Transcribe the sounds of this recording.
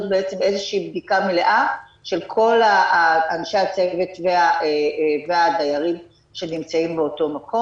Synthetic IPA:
t̪̚beet͡se̞me̞zeʃiːbdikameleʔa | ʃe̞lkʰo̞laanʃe̞at͡seve̞tveaʔeveadajaʁim | ʃe̞nimt͡saimbeoto̞makʰo

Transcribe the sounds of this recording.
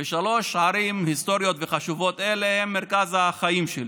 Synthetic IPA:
eʃalo̞ʃʕaɾimhist̪o̞ɾjot̪veχaʃuvo̞t̪elehemːeɾkazaχaimʃeli

